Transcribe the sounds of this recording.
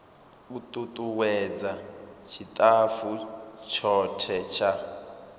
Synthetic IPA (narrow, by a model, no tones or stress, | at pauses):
utʼut̪ʼuwɛd͡zat͡ʃʰit̪ʼafut͡ʃʰɔtʰɛt͡ʃʰa